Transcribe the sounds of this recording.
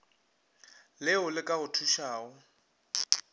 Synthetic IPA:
lɪʊlɪkʼaɣʊtʰuʃaːʊ

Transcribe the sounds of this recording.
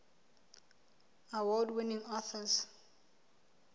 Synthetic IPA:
awɔdwɪnĩŋɔθəz

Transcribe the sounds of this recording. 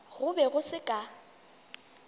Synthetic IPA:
ɣʊbɛɣʊsɪkʼa

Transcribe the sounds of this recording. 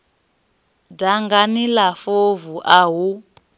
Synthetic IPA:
daŋɡanilafovuʔaɦu

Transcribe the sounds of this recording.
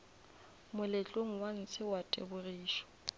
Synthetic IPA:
mʊlɪt͡ɬʼoŋ̩wan̩t͡sʰɪwatʼḛbʊriːʃɔ̥

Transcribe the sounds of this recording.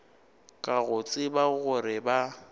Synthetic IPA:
kʼaɣʊt͡sʼɪbaɣʊɾɪba

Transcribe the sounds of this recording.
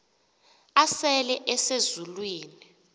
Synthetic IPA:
asɛlɛʔɛsezulwiːni

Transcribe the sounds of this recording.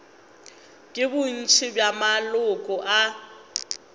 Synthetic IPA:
kʼɪbʊn̩t͡ʃʰɪbjamalʊkʼɔʔa

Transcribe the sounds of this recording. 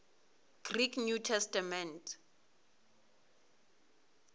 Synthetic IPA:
ɡ̥rikʰnutʰɛstamɛntʰʼ

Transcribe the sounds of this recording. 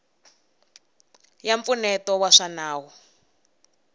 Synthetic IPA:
jaɱfunɛtɔwaʂanaːwɔ

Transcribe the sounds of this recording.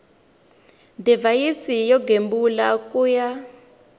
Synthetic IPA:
ndivajisijɔɡembulakuja

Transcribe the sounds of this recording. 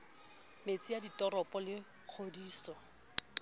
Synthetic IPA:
met͡sʼijaditʼɔrɔpʼɔlɪ | k͡xʰodiːsɔ

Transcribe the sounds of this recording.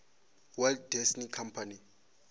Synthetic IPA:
wɛlddɛsnikʰampʰani

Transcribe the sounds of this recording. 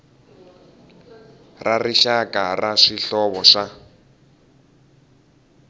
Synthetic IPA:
rariʃakaraʂiɬɔβɔʂa

